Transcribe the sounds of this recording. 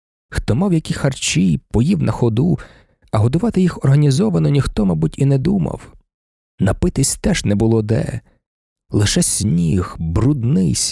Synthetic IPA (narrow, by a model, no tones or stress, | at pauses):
xt̪ɔmɑwjɐkʲixɐrt͡ʃijpɔjiwnɐxɔd̪u | ɐɦɔd̪ʊʋɑt̪ɪjixɔrɦɐnʲizɔʋɐnɔnʲixt̪ɔmɑbutʲinɛd̪umɐ̰w | nɐpɪt̪ɪsʲt̪ɛʒnɛbʊlˠɔd̪ɛ̰ | lˠɪʃɛsʲnʲixbɾud̪nɪsʲ